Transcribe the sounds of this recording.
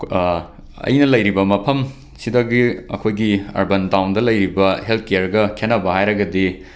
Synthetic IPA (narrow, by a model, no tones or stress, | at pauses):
ɐ̰jnɐlɐjɾibɐmɐpʰɐm | sidɐɡiɐ̰kʰojɡiɐ̰ɾbɐntawndɐlɐjɾibɐhelt̚ʰkejɐɾɡɐkʰenɐbɐhajɾɐɡɐdi